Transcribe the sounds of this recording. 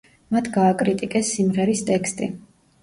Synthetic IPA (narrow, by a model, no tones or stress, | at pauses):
mat̪ʰɡaːkʼɾit̪ʼikʼɛsːimʁɛɾist̪ʼɛkst̪ʼḭ